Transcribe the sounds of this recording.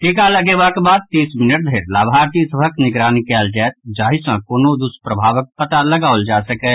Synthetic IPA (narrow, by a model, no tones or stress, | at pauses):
ʈikaləɡebakebaːd̪̚t̪iːsmɪnəʈ̚d̪ʱeːɾlaːbʱaɾt̪isəbʱəknɪɡɾaːnikɛːld͡ʒaɛt̪̚d͡ʒaːɦisãkoːnod̪uspɾəbʱaːʋək̚pət̪aləɡaːʊəld͡ʒaːsəkɛ